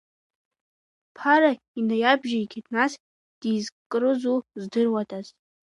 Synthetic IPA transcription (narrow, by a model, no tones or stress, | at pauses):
pʰaɾa | inajabʒaikʲʰatʰnas | d̥izkʼɨrɨzuzdɨrwatʼazʼ